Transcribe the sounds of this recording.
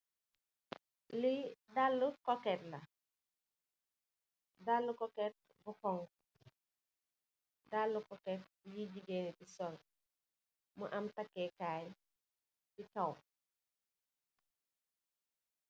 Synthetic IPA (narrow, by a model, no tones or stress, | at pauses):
lidalːukɔkɛtlɐ | dalːukɔkɛt̚ | bukɔŋ | dalːukɔkɛt̚jiɟiɡɛːnbisɔl | muʔɐmtɐkːɛːkaːj | bikɐw